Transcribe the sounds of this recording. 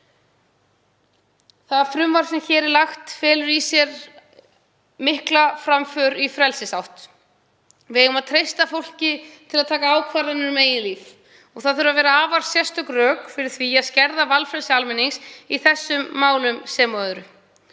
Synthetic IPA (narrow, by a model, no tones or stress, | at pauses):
θaðfɾʏmvaɾ̥sɛmçɛːɾɛɾlaxt̪fɛːlʏɾisjɛɾ | mɪhklafɾamfœɾifɾɛlsɪsawht̪ | vɪðeʏmaðt̪ʰɾejst̪afowl̥cɪt̪ʰɪlaðt̪ʰaːkaaːwkʰvaɾanʏɾmeːjɪnliːf | ɔɣθaðθʏɾavɛːɾaaːvaɾ̥sjɛst̪œkrœːkfɪɾɪɾ̥θviaðscɛɾðavalfɾɛlsɪalmɛniŋsiθɛsːʏmːaːwlʏmsɛːmɔðʏɾʏ